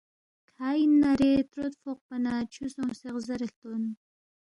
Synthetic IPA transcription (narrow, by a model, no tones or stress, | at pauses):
kʰaːinːaɾet̪ɾot̪foq̚panat͡ʃʰusoŋseqzɐɾeɬt̪on